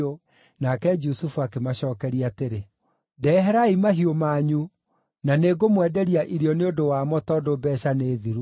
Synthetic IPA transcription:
o | nakɛd͡ʒusufuakemaɕɔːkɛɾiateɾe | dɛɦɛɾaimaɦiomaːɲu | naneɡomwɛdɛɾiaʔiɾiɔneodowamɔtɔdobɛːɕaneːðiɾu

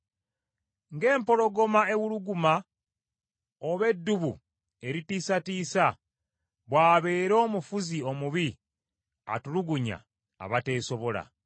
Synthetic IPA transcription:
ŋɡe̞ːmpo̞lo̞ɡo̞mae̞wuluɡuma | oβe̞dːuβu | e̞ɾitiːsatiːsa | βwaːβe̞ːɾo̞ːmufuzio̞muβi | a̰tuluɡuɲa̰ː | βate̞ːso̞βo̞la̰

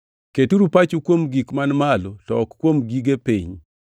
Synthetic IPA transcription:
ketuɾupat͡ʃukwomɡikmanmalɔtɔkkwomɡiɡepḭɲ

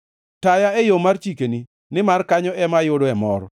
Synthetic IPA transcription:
tajaɛjomart͡ʃikeni | nɪmarkaɲɔɛmajʊdɔɛmɔɾ

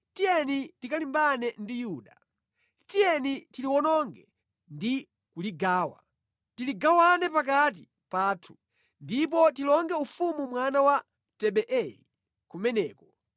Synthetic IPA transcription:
tijɛnitikalimbanɛndijuːɗa | tijɛnitiliwɔnɔŋɡɛ | ndi | kuliɡaːwa̰ | tiliɡawanɛpak̬at̬i | paːtʰu̥ | ndip̬ɔtilɔŋɡɛufumumwanawa | tɛɓɛʔɛlḭ | kumɛnɛːkɔ

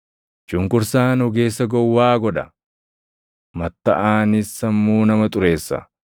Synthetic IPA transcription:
t͡ʃʊŋkʊɾsaːnhʊɡe̞ːsːɐɡɔwːaːɡɔᶑɐ | mɐt̪ːɐʔaːnɪsːɐmːuːnɐmɐt̪ʼʊɾe̞ːsːɐ̰

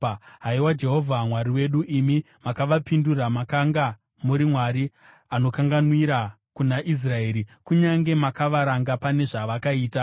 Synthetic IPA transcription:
ɦaiwad͡ʒe̞ɦo̞vʱamwaɾiwe̞ɗuʔimi | makaʋapinduramakaŋɡa | muɾimwaɾi | ano̞kaŋɡanwiɾa | kunaʔis̬rae̞ːɾikuɲaŋɡe̞makaʋaɾaŋɡapane̞ʐaʋakaiːta

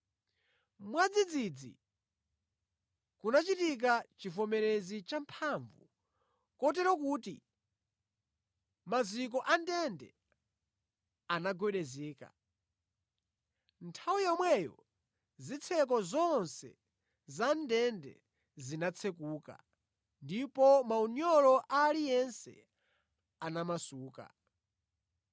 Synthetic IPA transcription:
mwad͡zid͡zid͡zḭ | kunat͡ʃitik̬at͡ʃifɔmɛɾezit͡ʃampʰaɱvu | kɔtɛɾɔkuːtḭ | mazik̬ɔʔandɛndɛ̰ | anaɡwɛɗɛzɛːka̰ | ntʰawujamwɛjɔ̰ | zit͡sʰɛk̬ɔzɔnsɛ̰ | zandɛndɛ̰ | zinat͡sʰɛkuːka̰ | ndipɔmauɲɔlɔʔalijɛnsɛ̰ | anamasuːka̰

